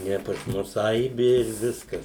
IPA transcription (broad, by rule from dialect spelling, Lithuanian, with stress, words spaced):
ˈnʲɛ pɐs ˈmʊs ˈɐɪbʲɪ ɪr ˈʋʲɪskɐs